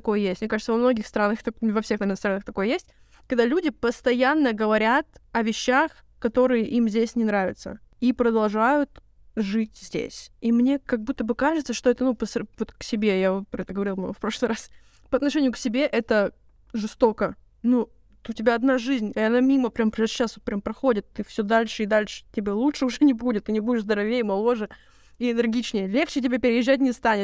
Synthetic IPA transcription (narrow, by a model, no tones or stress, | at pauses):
ɐko̞jəjesʲtʲmnʲekaʐɨt̪əvɐmno̞ɡʲɪxst̪ɾanːəxt̪ɐvɐfsʲe̞xnɐmʲɛnst̪ɾanːəxt̪ɐko̞jəjesʲtʲ | kɐɡ̚d̪alʲudʲɪpəst̪ɐjanːəɡəvɐɾʲat̪ɐvʲɪɕːax | kɐt̪o̞ɾɨjɪʔimzʲdʲesʲnʲɪnɾavʲɪ̰t̪sə̰ipɾəd̪ɐlˠʐajʊt̪ | ʐɨtʲz̥ʲdʲḛsʲimnʲe̞kɐɡ̚but̪ːəbɨkaʐɨt̪səʂt̪o̞ɛt̪ənupəsvo̞t̪ksʲɪbʲe̞javot̪pɐɛt̪əɡəvɐɾʲilˠb̪̰ɡfpɾo̞ʂlˠɨjɾas | pəɐt̪nɐʂɛnʲɪjʊksʲɪbʲe̞ʔɛt̪ə | ʐɨst̪o̞kə | nu | t̪ʊtʲɪbʲaɐd̪naʐɨzʲnʲɪɐnamʲiməpɾʲampɾaɕːasvot̪̚pɾʲampɾɐxo̞dʲɪt̪ːɨfsʲɵd̪alʲʂɨid̪alʲʂɨ̥tʲɪbʲelˠutʂɨʊʐɛnʲɪbudʲɪt̪ːɨnʲɪbudʲɪʂzd̪əɾɐvʲejəmɐlˠo̞ʐɨ | iɪnʲɨrɡʲit͡ɕnʲɪjəlʲe̞xt͡ɕɪtʲɪbʲepʲɪɾʲɪjɪʒʑːæt̚ʲnʲɪst̪anʲɪt̪̚